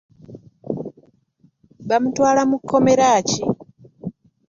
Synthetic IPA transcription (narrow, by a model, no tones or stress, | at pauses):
βamutwaːlamukʰːo̞me̞ɾaːci